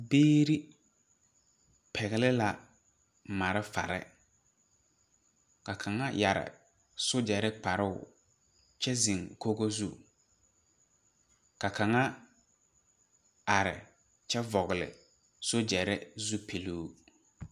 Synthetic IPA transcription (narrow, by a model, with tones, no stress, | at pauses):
beː˦ɾi˦ | pʰɛ˨ɣɪ˨lɪ˦la˨ | ma˨ɾɪ˦fa̰˨ɾɪ̰˦ | ka˨kʰa˨ŋa˦ja̰˨ɾɪ̰˨ | sʊ˦d͡ʒɛ˨ɾɪ˦k͡pa˨ɾɪ˦ʊ˦˨ | t͡ʃɛ˦zi˨ŋko˦ɣo˦zu˦ | ka˨kʰa˨ŋa˦ | a˨ɾɪ̰˨ | t͡ʃɛ˦vɔ˨ɣɪ˨lɪ̰˨ | sʊ˦d͡ʒɛ˨ɾɪ˦zu˦pʰi˨luː˦